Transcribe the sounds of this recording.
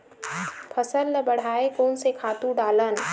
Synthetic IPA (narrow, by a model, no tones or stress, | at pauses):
pʰəsəlːəbɐɽ̤aːekoːnsekʰaːt̪ũɖaːlən